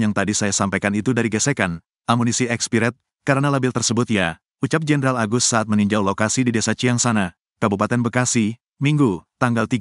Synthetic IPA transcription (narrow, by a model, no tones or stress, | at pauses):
jaŋt̪adisajasampajkanit̪udaɾiɡəsɛkan | amunisiɛkspiɾɛt̪̚ | kaɾənalabɪlt̪ərsəbʊt̪̚ja | ut͡ʃap̚d͡ʒɛnəɾalaɡʊst̪saat̪̚məniɲd͡ʒawlokasididesat͡ʃiaŋsana | kabupat̪ɛnbəkasi | miŋɡut̪aŋɡalt̪iɡ